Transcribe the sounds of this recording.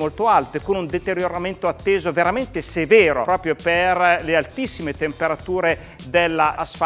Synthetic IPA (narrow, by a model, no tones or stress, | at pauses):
molt̪oalt̪ekonund̪et̪eɾjoɾament̪oat̪ːeːzoveɾament̪esevɛːɾopɾɔːpɾjoperlealt̪isːimet̪empeɾat̪uːɾe | d̪elːasf